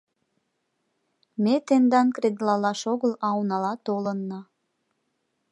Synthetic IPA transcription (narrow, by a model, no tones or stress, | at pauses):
met̪end̪ɑnkɾed̪lɑlɑʃoɣəlɑwnɑlɑt̪olənːɑ